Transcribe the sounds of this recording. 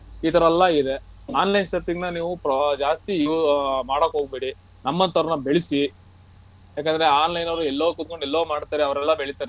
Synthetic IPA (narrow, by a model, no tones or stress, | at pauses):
iːt̪ɐɾɐlːɐid̪e̞aːnlɐjnsepiŋɡnɐniːʋupɾɐd͡ʒaːst̪imaːɽokːɦoːɡ̚beːɽi | nɐmːɐnt̪ɐɾɐnɐbeɭisi | jaːk̬ːend̪ɐɾe̞aːnlɐjnɐʋɐɾuɛlːɐʋukut̪̚koɳɖɛlːɐʋumaːɽt̪aːɾeɐʋɐɾɛlːɐbeɭit̪ːaːɾe